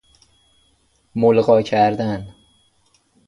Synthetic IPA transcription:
molɢɒːcʰæɾd̪æn

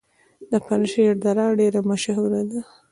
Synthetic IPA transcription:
d̪əpanəʃejaɾd̪aɾɑɖeɾamaʃaɦuɾad̪a

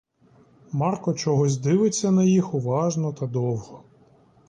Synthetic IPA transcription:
mɑrkɔt͡ʃɔɦɔzʲd̪ɪʋɪt͡sʲːɐnɐjixʊʋɑʒnɔt̪ɐd̪ɔwhɔ

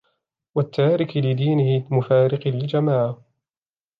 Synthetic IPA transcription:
wat̪ːaːɾɪklɪd̪iːnɪhɪmʊfaːɾɪqlɪld͡ʒamaːʕa

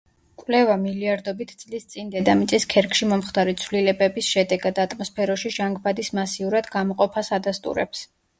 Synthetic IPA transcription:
kʼwlɛvamiliaɾd̪ɔbit̪ʰd̪sʼlist̪sʼind̪ɛd̪amit̪sʼiskʰɛɾkʼʃimɔmχt̪ʰaɾit̪sʰvlilɛbɛbisʃɛd̪ɛɡad̪at̪ʼmɔspʰɛɾɔʃiʒaŋɡbad̪ismasiuɾad̪ɡamɔqʼɔpʰasad̪ast̪ʼṵɾɛ̰ps

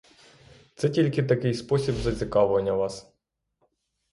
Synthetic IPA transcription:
t̪sɛtʲilʲkɪt̪̬ɐkɪjspɔsʲibzɐt͡sʲikɑʋʊʋɐnʲːɐʋɑs

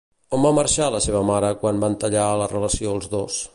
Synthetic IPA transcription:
ombaməɾʃaləseβəmaɾəkwanbant̪əʎaələrələsioəlˠzðos

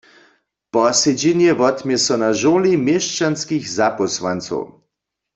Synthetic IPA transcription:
pɔsed͡ʑinjɛʋɔt̪mjɛsɔnaʒoːlimjeʃt͡ʃanskixzapɔswa̰nt͡sɔ̰w

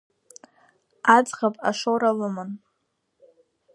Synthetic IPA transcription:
ad͡zʁapʼa̰ʂoɾalɨmɨn

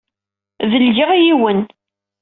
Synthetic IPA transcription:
vəld͡ʒiʁjiwən

